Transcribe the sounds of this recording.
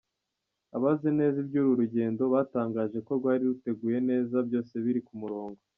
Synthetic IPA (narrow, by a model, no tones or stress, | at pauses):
aβazene̞ːzibɟuɾuɾuɟe̞ːndo̞βaːtaːŋɡaːʒe̞ko̞ɾɡwaːɾiɾute̞ɡuje̞ne̞ːzabjoːse̞βiɾikumuɾo̞ːŋɡo̞